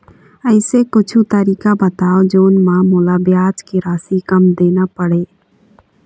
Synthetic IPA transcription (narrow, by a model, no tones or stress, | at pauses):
əɪsekʊt͡ʃʰut̪əɾiːkabət̪aːod͡ʒoːnmãmoːlabjaːt͡ʃkiɾaːsikəmd̪eːnapəɽeː